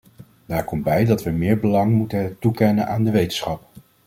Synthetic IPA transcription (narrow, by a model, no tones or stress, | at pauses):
daːɹkɔmbɛjdɑtʋəmɪːɹbəlɑŋmutətukɛnənʔaːndəʋejtənsχɑp